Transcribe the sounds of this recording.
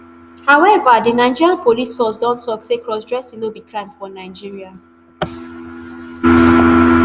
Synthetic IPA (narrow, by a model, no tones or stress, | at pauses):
hawɛvadinaɪd͡ʒiɹiãnpolisfɔsdɔ̃ntʰɔksekɹɔsdɹɛsĩnobikʰɹãmdfɔnaɪd͡ʒiɹia